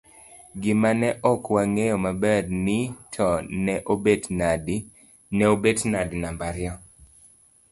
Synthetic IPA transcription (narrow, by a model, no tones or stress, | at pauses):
ɡɪmanɛʔɔkwaŋejɔmabɛdnɪtʰɔnɛʔobednd | nɛobednadinambaɾjɔ